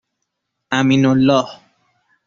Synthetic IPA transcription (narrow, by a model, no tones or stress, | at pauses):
aminolːɔːh